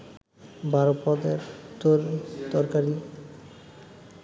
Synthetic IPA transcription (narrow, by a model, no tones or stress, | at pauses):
bʱaɾopɔd̪eɾt̪oɾd̪ɔɾkaɾi